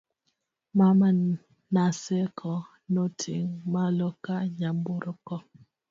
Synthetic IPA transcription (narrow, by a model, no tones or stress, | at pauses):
mama | nasekʰɔ | notʰḭŋmalokaɲamboɾokɔ